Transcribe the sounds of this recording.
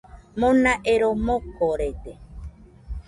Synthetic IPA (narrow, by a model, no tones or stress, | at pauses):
mõnãʔeɾomõkoɾet̪e